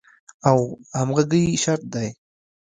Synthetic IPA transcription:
awhamʁaɡəjʃaɾt̪̚d̪aj

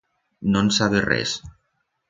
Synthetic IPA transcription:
nonsaβerɛ̰s

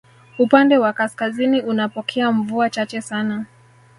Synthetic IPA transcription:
upandɛwakaskaziniunapɔkʰɛaɱvuat͡ʃat͡ʃɛsana

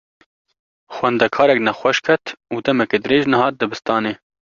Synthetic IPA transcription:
xwɛnd̪ɛkʰɑːɾɛknɛxʷɛʃkʰɛt̪uːd̪ɛmɛkeːd̪ɨɾeːʒnɨhɑːt̪̚d̪ɨbɨst̪ɑːneː

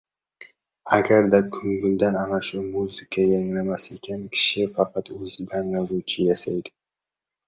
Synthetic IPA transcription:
aɡʲaɾd̪akʰʊŋɡʲʊld̪ananaʃʊmuzɪkʰajaŋlamasekʲankʲʰɪ̥ʃɪfɑqɑt̪ɵzbanlaɾut͡ʃʰɪjasajd̪ɪ̥

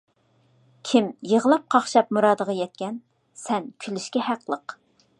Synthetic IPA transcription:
kʲʰɪmjəʁəlˠɑp̚qʰɑχʃɑp̚muɾɑːd̪əʁɑjɛt̪̚kʲɛn | sɛnkʲʰylɪʃkʲɛhæqlˠəq

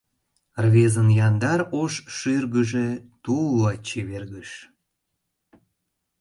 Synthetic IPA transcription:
rβezənjɑnd̪ɑɾoʃʃyrɣəʒet̪ulːɑt͡ɕeβerɣəʃ

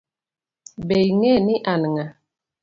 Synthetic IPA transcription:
bejŋɛniʔanəŋa

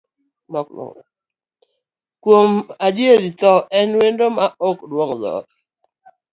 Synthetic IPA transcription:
mɔklɔ̰ | kwomadjeɾitɔɛnwendomaokdwɔŋdɔ̰

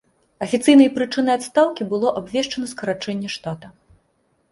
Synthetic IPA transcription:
ɐfʲit̪sɨjnɐjpɾɨt͡ʂɨnɐjat̪st̪awkʲibɨlˠɔʔabvʲɛʂt͡ʂɐnɐskɐɾat͡ʂɛnʲːɛʂt̪at̪ɐ

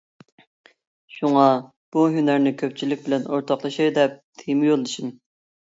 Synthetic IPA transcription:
ʃuŋɑ | b̥uɦynæɾnɪkʲʰøp̚t͡ʃʰilɪkʲbɪlɛnoɾt̪ʰɑqlˠɑʃiɾd̪ɛp̚t̪ʰemɪjolˠd̪ɨʃin

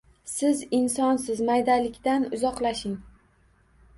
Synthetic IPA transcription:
sɪzɪnsɒnsɪzmajd̪alɪkʲt̪anʊzɒqlˠaʃɪŋ

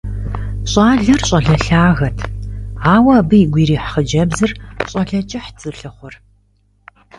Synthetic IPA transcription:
ɕʼaːɮɐrɕʼɐɮɐɬaːɣɐtʰaːwɐːbɨjːɡʷiːɾiːħχəd͡ʒɐbzɨrɕʼɐɬɐt͡ʃʼɪħt͡sʼɨɬɨχʷʊr

